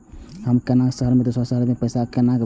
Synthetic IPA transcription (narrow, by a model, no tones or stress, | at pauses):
həmkenaksəɦəɾmet̪osasəɦəɾmepəjsakenak